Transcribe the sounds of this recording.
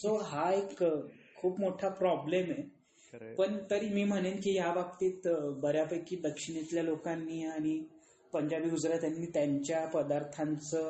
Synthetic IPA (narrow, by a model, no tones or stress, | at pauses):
soɦaekkʰːuːpmoʈʰapɾɔbleme | pəɳt̪əɾiːmiːm̤əɽ̃enkiːjaʋək̚t̪iːt̪bəɾjapəjkiːd̪əkʂiɽet̪ljalokãnːiːaɽ̃i | pəɲd͡ʑabiːɦud͡zɾjat̪janːiːt̪jaɲt͡ɕjapəd̪aɾt̪ʰãnt͡səː